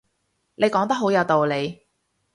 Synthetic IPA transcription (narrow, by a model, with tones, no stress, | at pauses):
ne˨˧jkɔː˨˥ŋt̪ɐ˥k̚ɦo˨˥wjɐ˨˧wt̪o˨wle˨˧j